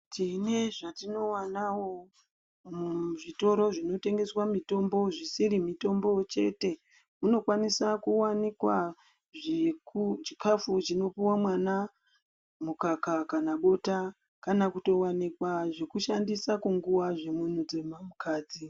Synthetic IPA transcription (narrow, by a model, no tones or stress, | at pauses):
tine̞ʐatino̞wanawo̞ | muʐito̞ɾo̞ʐino̞te̞ŋɡe̞swamito̞mbo̞ʐisiɾimito̞mbo̞t͡ʃe̞̰te̞ | muno̞kwanisakuwanikwa | ʐekut͡ʃi̥kafut͡ʃino̞piwamwana | mukakakanaɓo̞ta | kanakuto̞wanikwaʐe̞kuʃandisakuŋɡuwaʐe̞mun̤ud͡zemamukʰaːd͡zi